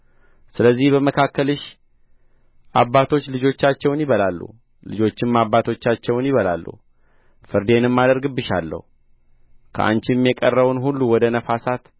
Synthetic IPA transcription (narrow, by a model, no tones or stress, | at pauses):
sɨləzːihbəməkʰakːəlɨʃ | ʔabːat̪ʰo̞t͡ʃːlɨd͡ʒo̞t͡ʃːat͡ʃːɛwnjɪβəlalːṵ | lɨd͡ʒo̞t͡ʃːɪmːabːat̪ʰo̞t͡ʃːat͡ʃːɛwnjɪβəla̰lːṵh | fɨɾd̪e̞nɨmːad̪əɾɡɨbːɨʃa̰lːə̰hu | kʰə̰ʔa̰nt͡ʃɪmjɛkʼərːəβunhulːuwɔd̪ənəfasat̪